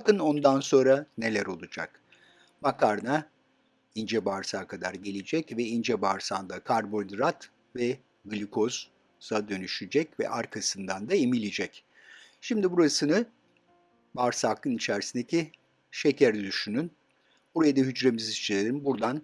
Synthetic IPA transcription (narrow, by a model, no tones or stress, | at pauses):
akɯno̞nd̪anso̞nɾane̞lʲæɾo̞lˠud͡ʒa̰k | makʰaɾna | ind͡ʒɛbaɾsaːkʰad̪a̰ɾɟelʲid͡ʒɛcvɛind͡ʒɛbaɾsaːnd̪akʰaɾbo̞d̪ɾat̪ | vɛ | ɡɯlʲikʰo̞z | zad̪ø̞nyʃyd͡ʒɛcvɛ̰ʔaɾkʰasɯnd̪and̪aemilʲid͡ʒɛc | ʃimd̪ibuɾasɯnɯ | baɾsakʰɯnit͡ʃʰæɾsind̪eci | ʃe̞cʰæɾd̪yʃynyn | b̥uɾajad̪aɦyd͡ʒɾe̞mizist͡ʃʰelʲeɾimbuɾd̪an